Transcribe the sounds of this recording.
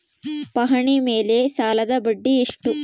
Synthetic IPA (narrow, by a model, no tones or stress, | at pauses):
pɐɦɐɳime̞ːlesaːlɐd̪ɐbɐɖːiiʂʈu